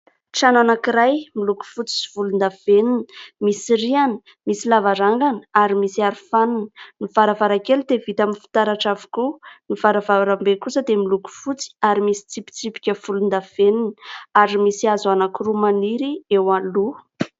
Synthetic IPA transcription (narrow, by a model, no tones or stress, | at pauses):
ʈ͡ʂananakiɾajmiluku̥fut͡si̥si̥vulund̪av̥enini̥misirianə̥ | misilavaɾaŋɡanə̥aɾimisiaɾufanunniv̥aɾavaɾakelud̪evit̪aminfi̥t̪aɾaʈ͡ʂavu̥kunivaɾavaɾambekusəd̪emiluku̥fut͡si̥aɾimisi̥t͡sipi̥t͡sipi̥kʲəfulund̪av̥eniniaɾimisiazanakurumaniɾiewalu